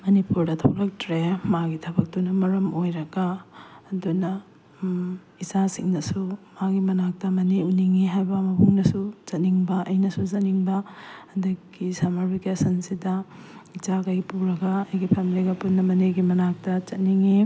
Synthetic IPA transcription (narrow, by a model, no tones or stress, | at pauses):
mɐnipuɾdɐtʰokɾɐk̚tɾemaɡitʰɐbɐk̚tunɐmɐɾɐmojɾɐɡaː | dunɐ | izasiŋnɐsumaɡimɐnak̚tɐmɐniuniŋiɦajbɐmɐbʰuŋnɐsuzɐt̚niŋbɐʔɐjnɐsuzɐt̚niŋbɐɐdɐɡisamaɾbikesɐnsidɐid͡ʒaɡaɡipuɾɐɡɐːjɡipʰemiliɡɐputnːɐmɐneɡimɐnak̚tɐt͡ʃɐt̚niŋi